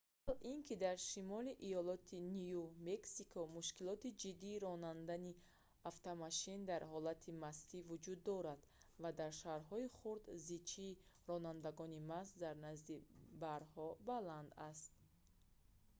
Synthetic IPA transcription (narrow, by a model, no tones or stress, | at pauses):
alinkʰid̪aɾʃimɔliʔijɔlɔt̪ʰinijumeksikʰɔmuʃkilɔt̪id͡ʒid̪ːiːɾɔnand̪ani | aft̪amaʃind̪aɾhɔlat̪ʰimast̪ivud͡ʒud̪ːɔɾad̪̥vad̪aɾʃaɾɦɔiχuɾd̪zit͡ʃʰiːɾɔnand̪aɡɔnimasd̪aɾnazd̪ibaɾhɔbaland̪ast̪̚